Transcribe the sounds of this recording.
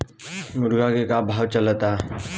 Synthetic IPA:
mʊɾɡakekabʱawt͡ɕələt̪a

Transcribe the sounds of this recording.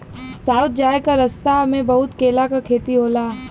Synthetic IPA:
saːʊt̪̚d͡ʒaːekaɾɐst̪aɐmẽbɐɦʊt̪keːlakakʰeːt̪iɦoːlaː

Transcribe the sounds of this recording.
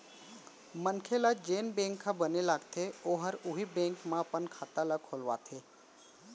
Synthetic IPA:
mənkʰelad͡ʒeːnbẽːŋkʰːãbənelaːɡt̪ʰeoɦəɾʊɦibẽːŋkmãpənkʰaːt̪alakʰolʋa̰t̪ʰeː

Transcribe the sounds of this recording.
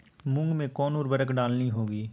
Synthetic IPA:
mʊ̃ŋɡmẽkɔːnoːɾbəɾəkɖaːlniɦoːɡiː

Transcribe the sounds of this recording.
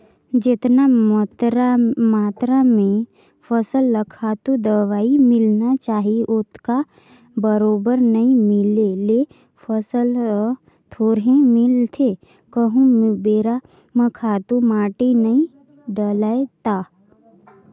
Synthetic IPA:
d͡ʒɪt̪nat̪ɾamaːt̪ɾamẽ | fʰəsəlːəkʰaːt̪ũd̪əʋaːimɪlnat͡ʃaːɦiʔʊt̪ka | bəɾoːbəɾnɐɦĩmɪlele | fʰəsəl | t̪ʰoːɾɦẽmɪlt̪ʰe | kəɦũbeːɾa | mə̃kʰaːt̪ũmaːʈinɐĩ | ɖəlaet̪aː

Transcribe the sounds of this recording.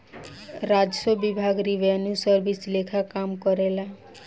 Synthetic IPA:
ɾad͡ʒsɔbibʱaɡɾiʋenjusəɾbʱislekʰakamkɔɾela

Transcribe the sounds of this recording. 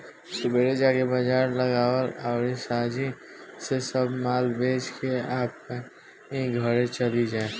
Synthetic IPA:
sʊbeːɾed͡ʒakebəd͡ʒaːɾləɡaːwəɾaʊɾisaːd͡ʒi | sesəbmaːlbeːt͡ʃkeaːp̚e | eɡʱəɾet͡ʃəlid͡ʒaːe

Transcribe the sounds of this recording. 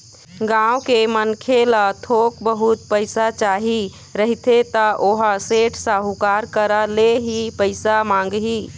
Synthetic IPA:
ɡãwkemənkʰelat̪ʰokbəɦut̪̚pəɪsat͡ʃaɦi | ɾəɦit̪et̪əʔoɦaseʈʰsãɦukaɾkəɾəleɦipəɪsamãŋɡɦi

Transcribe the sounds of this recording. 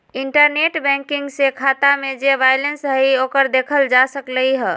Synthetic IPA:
iɳʈəɾneʈbɛ̃ŋkiŋɡsekʰat̪amed͡ʒeʋajlensɦəiokəɾd̪ekʰəld͡ʒasəkləɦiɦə

